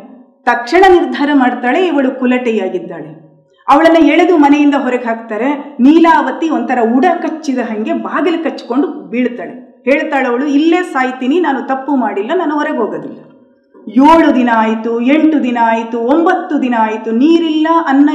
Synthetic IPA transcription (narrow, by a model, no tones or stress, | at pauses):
t̪ɐkʂɐɳɐniɾd̪ʱaːɾɐmaːɽt̪aːɭe̞iʋɐɭukulɐʈɛjaːɡid̪ːaːɭe | ɐʋɐɭɐnːɐeɭed̪umɐnejind̪ɐɦɔɾɐɡeɦaːɡ̚t̪aːɾe̞niːlaːʋɐt̪iont̪ɐɾɐuɽɐkɐt͡ʃːid̪ɐɦɐŋɡe̞baːɡɐlikɐt͡ʃːko̞ɳɖubiːɽt̪aːɭeheːɭt̪aːɭɐʋɐɭuilːeːsaːjt̪iːninaːnut̪ɐpːumaːɽilːɐnɐnːɐʋɔɾeɦoːɡoːd̪ilːɐ | joːɭud̪inɐːjit̪ueɳʈud̪inɐaːjit̪uombɐt̪ːud̪inɐːjit̪uniːɾilːɐʔɐnːɐ